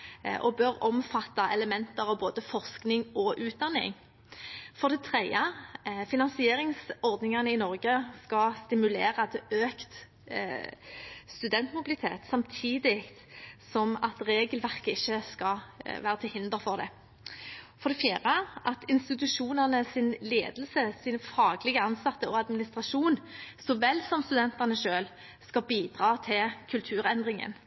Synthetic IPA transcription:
ʔɔ̰bøɾɔmfɑt̪ːɑʔɛləmɛnt̪əʁɑʋboːd̪əfɔʁsknɪŋɔʔʉːt̪̚d̪ɑnːɪ̰ŋ | fɔʁd̪ɛt̪ʰʁɛɪəfɪnɑnsɪeːɾɪŋsɔʁd̪nɪŋɑnəɪnɔɾɡəskɑst̪ɪmʉleːɾɑt̪ɛøːkt̪ | st̪ʉd̪ɛnt̪mʊbɪlɪt̪ʰḛːt̪sɑmt̪ʰiːd̪ɪkt̪sɔmɑt̪ʁeːɡəlʋæʁkəɪçːəskɑʋæːɾət̪ʰɪlhɪnd̪əʁfɔʁd̪ɛ̰ | fɔɾd̪ɛfjiːʁəʔɑt̪ɪnst̪ɪt̪ʉʂuːnəʁnəsɪnleːd̪əlsəsiːnəfɑːɡlɪɡəɑnsɑt̪ːəɔɑd̪mɪnɪst̪ʁɑʂuːnsɔʋɛlsɔmst̪ʉd̪ɛnt̪ɑʁnəʂøːl | skɑbiːd̪ʁɑːt̪ʰɪlkʰʉlt̪ʰʉːʁɛnd̪ʁɪŋə̰n

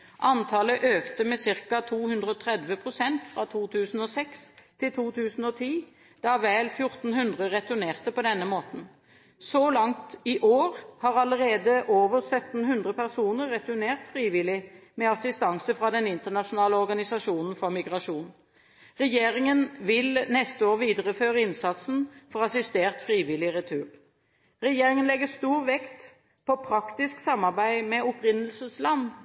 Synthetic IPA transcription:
ʔɑnt̪ʰɑːləʔøːkt̪əmɛsɪʁkɑt̪ʰuːhʉnd̪ʁəɔt̪ʰʁɛd̪ʋəpʰʁʊsɛnt̪fʁɑt̪ʰuːt̪ʰʉːsn̩ɔsɛkst̪ʰɪlt̪ʰuːt̪ʰʉːsn̩ɔt̪ʰiː | d̪̥ɑʋæːlfjʊʁt̪n̩hʉnd̪ʁəʁɛt̪ʉneːʁt̪əpɔd̪ɛnːəmoːt̪n̩ | sɔlɑŋt̪ɪʔoːʁhɑʁɑləɾeːd̪əʔoːʋəʁsœt̪n̩hʉnd̪ʁəpæʁsuːnəʁʁɛt̪ʉʁneːʁt̪fʁiːʋɪlɪmɛɑsɪst̪ɑŋsəfʁɑd̪ɛnɪnt̪əʁnɑʂʊnɑːləɔʁɡɑnɪsɑʂuːnən̩fɔʁmɪɡʁɑʂuːn | ʁɛjeːʁɪŋənʋɪlnɛst̪əoːʁʋiːd̪əʁəføːʁəɪnsɑt̪sn̩fɔʁɑsɪst̪eːʁt̪fɾiːʋɪlɪʁɛt̪ʰʉːʁ | ʁɛjeːʁɪŋənlɛɡəst̪uːʁʋɛkt̪ | pʰɔpʰɾɑkt̪ɪsksɑmɑʁbæɪmɛʊpɾɪnəlsəslɑnː

